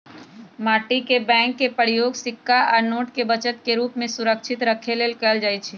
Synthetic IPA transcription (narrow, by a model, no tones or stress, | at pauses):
maːʈikebɛ̃ːŋkːepəɾɪjoːɡsɪkːaɔːɾnoːʈkebət͡ʃət̪keɾuːpmẽsʊɾəkʃʰɪt̪ɾəkʰeleːlkəld͡ʒaːit͡ʃʰiː